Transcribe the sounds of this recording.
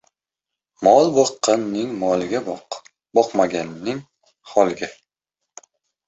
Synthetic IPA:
mɒlˠbɒqːɑnːɪŋmɒlˠɪɡʲa | bɒqmaɡʲanːɪŋ | hɒlˠɡʲa

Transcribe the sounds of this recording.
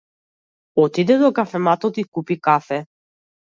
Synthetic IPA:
ɔt̪id̪ɛd̪ɔkafɛmat̪ɔt̪ikupikafɛ

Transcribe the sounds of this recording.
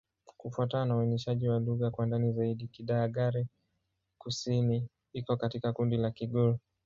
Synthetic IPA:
kufuataanauɛnɛʃaʄiwaluɣakwandanizaiɗikiɗaːɠaɾi | kusini | ikɔkatikakundilakiɠɔɾɔ

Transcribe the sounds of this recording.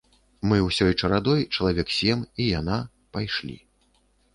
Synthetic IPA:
mɨwsʲɔjt͡ʂɐɾad̪ɔjt͡ʂɐlˠavʲɛksʲɛmijana | pajʂlʲḭ

